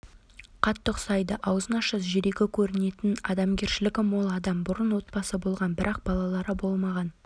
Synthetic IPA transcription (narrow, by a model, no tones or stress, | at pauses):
qʰɑt̪ːəqsɑjd̪əʔɑwzənɑʃəsʒɪɾeɡʲɪkʲʰɵɾɪne̞t̪ɪnɑd̪ɑmɡʲe̞ɾʃɪlɪkʲɪmo̞lˠɑd̪ɑmbʊɾənwo̞t̪̚bɑsəbo̞lˠʁɑnbɪɾʔɑq̚b̥ɑlˠɑlˠɑɾəbo̞lˠmɑʁɑn